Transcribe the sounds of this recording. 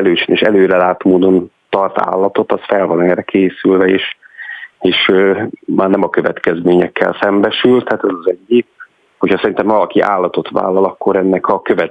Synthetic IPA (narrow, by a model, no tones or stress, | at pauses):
ɛløːt͡ʃineʃɛløːɾɛlaːt̪moːd̪o̞n | t̪ɒrt̪a̰ːlːɒt̪o̞t̪ɒsfɛlvɒnɛːrɛkʰeːsylvɛḛːʃ | eːʃømaːrnɛmɒkøvɛ̰t̪kɛzmeːɲɛkːɛ̰lsɛmbɛʃylt̪haːt̪ɛzɒzɛɟːik | hocʰhɒsɛɾint̪ɛmvɒlɒkiʔa̰ːlːɒt̪o̞t̪ʋa̰ːlːɒlɒkːo̞ɾɛnːɛkʰɒkøvɛ